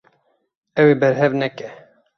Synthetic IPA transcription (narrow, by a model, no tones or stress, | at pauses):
ɛwebɛɾɦɛvnɛkɛ